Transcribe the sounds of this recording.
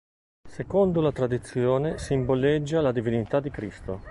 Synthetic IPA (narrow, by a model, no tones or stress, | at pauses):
sekond̪olat̪ɾad̪it̪sːjoːnesimboled͡ʒːalad̪ivinit̪ad̪ikɾist̪o